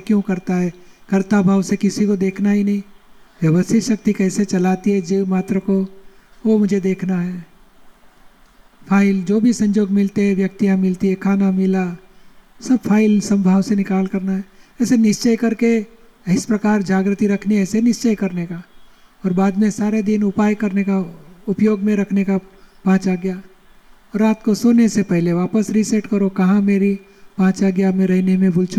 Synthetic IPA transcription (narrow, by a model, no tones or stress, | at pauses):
kjõkɐɾt̪aɦɛkɐɾt̪abʱaːʋsekɪsikod̪eːkʰnaɦinɐɦĩʋjɐʋəst̪ɪʃɐk̚t̪ikɛːset͡ʃɐlaːt̪iɦɛd͡ʒemaːt̪ɾəko | ʋomʊd͡ʒʱed̪eːkʰnaɦɛː | pʰaːɪld͡ʒoːbʱisɐ̃ɲd͡ʒoːɡmɪlt̪eɦɛʋjɐk̚t̪ijãmɪlt̪iɦɛkʰaːnamɪla | sɐb̚fʰaːɪlsɐ̃mbʱaːʋsenɪkaːlkɐɾnaɦɛɛːsenɪʃt͡ʃəjkɐɾke | ɦɪspɾɐkaːɾd͡ʒaːɡɾət̪iɾɐkʰniɦɛːsenɪʃt͡ʃəjkɐɾnekaɔːɾbaːd̪mẽsaːɾed̪inʊpaːjkɐɾnekaʊpjoːɡmẽɾɐkʰnekapãːt͡ʃaɡja | ɔːɾːaːt̪kosoːnesepɛɦleʋaːpəsɾisɛʈkəɾokɐɦãmeːɾi | bãːt͡ʃaɡjamẽɾɛɦnemẽbʊlt͡ʃu